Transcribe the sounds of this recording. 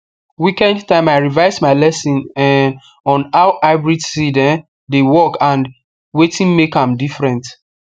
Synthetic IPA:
wikɛ̃ndtãɪ̃maɪɹivaɪsmaɪlɛsĩnɛn | ɔ̃naʊʔaɪbɹidsidɛ̃n | dewɔkãn | wetʰĩnmekãmdifɹɛ̃nt

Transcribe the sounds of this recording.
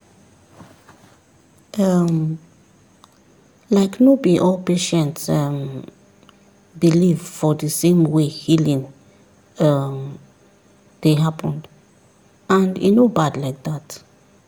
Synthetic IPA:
ʔʌm | laɪknobiʔɔlpeʃə̃ntsʌm | biliv̥fɔðəsẽmwehilĩŋ | ʌm | ðeɦapʰə̃nd | ãndḭnobadlaɪk̚ðat

